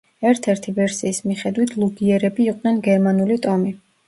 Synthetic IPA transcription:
ɛɾt̪ʰɛɾt̪ʰivɛɾsiːsmiχɛd̪wit̪ʰlˠuɡiɛɾɛbiːqʼnɛnɡɛɾmanulit̪ʼɔmi

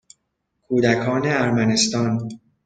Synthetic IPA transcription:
kʰuːd̪ækʰɒːne̞æɾmæne̞st̪ɒːn

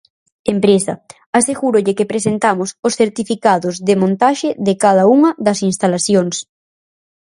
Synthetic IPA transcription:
empɾesɐ | aseɣuɾʊʎɪkepɾesent̪amʊsʊsθeɾt̪ifikaðʊzðɪmõnt̪aʃɪðɪkað̞ɐuŋɐðɐsinst̪alaθjoŋs

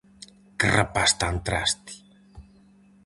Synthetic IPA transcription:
krəpast̪ant̪ɾast̪i̥

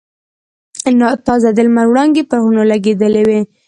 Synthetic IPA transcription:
nɑt̪ɑzad̪əlmalwɽɑnɡ̪epəɣunolaɡed̪əlewe

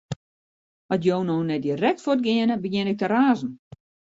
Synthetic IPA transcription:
ɔtjownoːnɛdirɛk̚tfot̚ɡɪənəbəjɪnɪk̚təraːzn̩

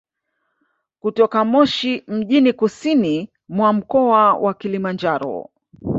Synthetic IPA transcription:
kutɔkamɔʃim̩ʄinikusini | mwam̩kɔawʔakilimand͡ʒaɾɔ̰

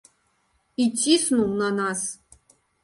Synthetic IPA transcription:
itʲːisnunɑnɑs

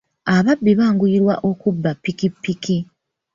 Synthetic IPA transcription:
aβabːiβaːŋɡuiɾwa̰ʔo̞kubːapːikipːiki

